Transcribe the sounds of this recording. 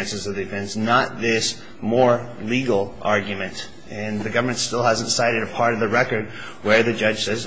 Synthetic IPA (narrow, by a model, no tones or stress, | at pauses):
ɨ̃nsɨzʌvdɨfɛ̃nsnət̪̚ðɪs | mɔɹliɡl̩ˠʔɑɹɡjɨmɨ̃nt | ɨ̃nðɨɡʌvə˞mɨ̃ntstɪlˠhæzɨ̃ntsaɪɾɨɾɨpʰɑɹɾʌvðɨɹɛkə˞d̚ | wə˞ðɨd͡ʒʌd̥ʒ̥sɛz